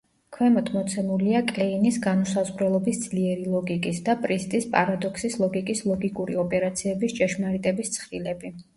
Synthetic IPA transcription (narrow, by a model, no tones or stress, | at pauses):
kʰwɛmɔt̪ʰmɔt̪sʰɛmuliakʼlɛinisɡanusazʁɾɛlˠɔbisd̪zliɛɾilˠɔɡikʼisd̪apʼɾist̪ʼispʼaɾad̪ɔkʰsislˠɔɡikʼislˠɔɡikʼuɾiɔpʼɛɾat̪sʰiɛbist͡ʃʼɛʃmaɾit̪ʼɛbist̪sʰχɾilɛbi